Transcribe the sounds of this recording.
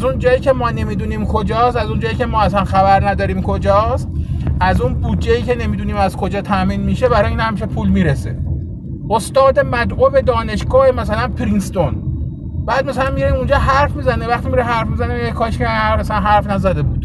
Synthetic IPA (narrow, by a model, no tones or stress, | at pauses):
æzund͡ʒɒːjiːcʰe̞mɒːne̞miːd̪uːniːmkʰod͡ʒɒːst̪æzund͡ʒɒːjiːcʰe̞mɒːæsænxæbæɾnæd̪ɒːɾiːmkʰod͡ʒɒːst̪̚ʔæzunbuːdd͡ʒːejiːcʰe̞ne̞miːd̪uːniːmæzkʰo̞d͡ʒɒːt̪ʰæʔmiːnmiːʃebæɾɒjiːnhæmːiʃ̬epʰuːlmiːɾese | ʔost̪ɒːd̪e̞mæd̪ʔobed̪ɒːne̞ʃɡɒːhemæsælænpʰɾinst̪o̞n | b̥æːd̪̚mæsælænmiɾeimund͡ʒɒːɦæɾfmiːzænevæxt̪iːmiɾeɦæɾfmizæneekʰɒːʃmæsælænɦæɾfnæzæd̪e̞buːd̪̥